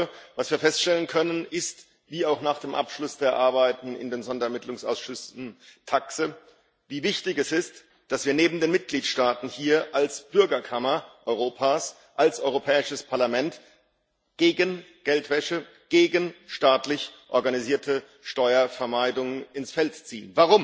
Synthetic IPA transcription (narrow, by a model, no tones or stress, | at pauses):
vasv̥iːɐfɛstʃtɛlənkʰœnənɪst | viːaʊxnaːχd̥eːmʔa̰pʃlʊsd̥eːɐʔaɐbaɪtn̩ɪ̰ndeːnzɔndɐɛɐmɪtlʊŋsa̰ʊsʃʏsn̩tʰaksə | viːvɪçtɪçɛsɪst | d̥asv̥iːɐneːbm̩deːnmɪt̚ɡ̥liːtʃtaːtn̩hiːɐʔalsb̥ʏɐɡɐkʰamɐʔɔʏʁoːpʰaːs | ʔalsʔɔʏʁopʰɛːɪʃəspʰaɐlamɛnt | ɡ̥eːɡən | ɡ̥ɛltv̥ɛʃə | ɡ̥eːɡənʃtaːtlɪçʔɔɐɡaniziːɐtʰə | ʃtɔʏɐfɛɐmaɪdʊŋənɪnsfɛltt͡siːənvaʁʊm